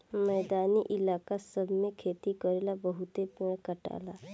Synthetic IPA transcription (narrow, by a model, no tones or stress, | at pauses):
mɛːd̪aːniʔɪlaːkasəbʱmẽkʰeːt̪ikɔɾeːlabəɦʊt̪epːkɐʈa̰ːlaː